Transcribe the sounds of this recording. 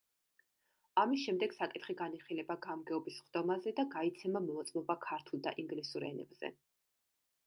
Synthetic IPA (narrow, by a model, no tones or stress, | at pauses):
amisʃɛmd̪ɛɡ̥sakʼit̪ʰχiɡaniχilɛbaɡamɡɛɔbisχd̪ɔmazɛd̪aɡait̪sʰɛmamɔɔt̪sʼmɔbakʰaɾt̪ʰulˠd̪a̰ʔiŋɡlisuɾɛ̰nɛ̰bz̥ɛ̰